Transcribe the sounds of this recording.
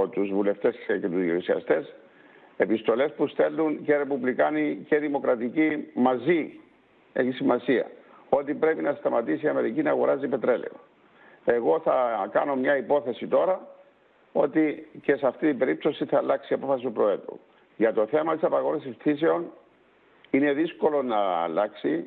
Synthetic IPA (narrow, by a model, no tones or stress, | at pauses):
ot̪uzvule̞ft̪e̞scet̪uzjoisiɐ̰st̪e̞s | e̞pist̪o̞le̞spust̪e̞lːunceɾe̞puvlikɐnice̞ðimo̞kɾɐt̪icimɐzi | eçisimɐsiɐ̰ | o̞t̪ipɾe̞pinɐst̪ɐmɐt̪isiɐme̞ɾicinɐɣo̞ɾɐzipe̞t̪ɾe̞lḛo | e̞ɣo̞θɐkɐ̰no̞mɲɐipo̞θe̞sit̪o̞ɾɐ | o̞t̪ice̞sɐft̪it̪ibe̞ɾip̚t̪o̞siθɐːlɐksiɐpo̞fɐsit̪upɾo̞e̞t̪ṵ | ʝɐt̪o̞θe̞mɐt̪isɐpɐɣo̞nesisθis̬eon | ine̞ðisko̞lo̞nɐ̰ːlɐksḭ